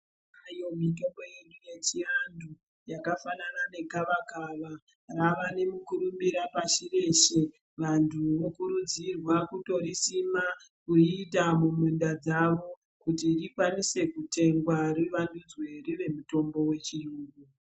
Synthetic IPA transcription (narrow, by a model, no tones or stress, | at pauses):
ajo̞mito̞mbo̞je̞ɗuje̞t͡ʃiandu | jakafananane̞kaʋakaʋa | raʋane̞mukuɾumbiɾapaʃire̞ʃe̞ | ʋantʰuʋokuɾud͡zirwakuto̞ɾisima | kuitamumundad͡zaʋo̞ | kutirikwanise̞kute̞ŋɡwariʋandud͡zwe̞riʋe̞muto̞mbo̞we̞t͡ʃiruːɡu